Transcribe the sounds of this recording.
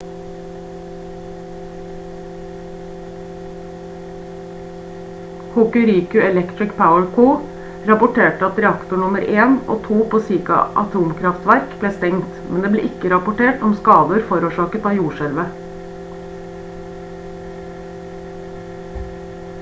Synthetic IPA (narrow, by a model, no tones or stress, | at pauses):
hʊːkʉɾiːkʉɛlɛkt̪ɹɪkpʰaʊəɹkʰuː | ɾɑpʊʈʰeːʈəɑt̪ɾɛɑkt̪ʊɳʊməɾeːnʔo̰ːt̪ʰuːpʰoːsiːkɑ̰ʔɑ̰t̪ʰuːmkʰɾɑft̪ʋæɾkbleːst̪ɛŋt̪mɛnd̪eːblḛːʔɪkəɾɑpʊʈeːʈɔmskɑːd̪əɾfɔɾuːʃɑːkət̪ɑːjuːʃɛlʋə